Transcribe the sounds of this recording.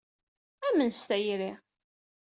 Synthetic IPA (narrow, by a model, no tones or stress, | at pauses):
æmənst̪æjɾi